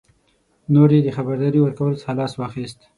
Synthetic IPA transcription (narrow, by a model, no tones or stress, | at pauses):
noɾed̪əxabaɾd̪ɑɾiwəɾkawəlsəhalɑswɑxist̪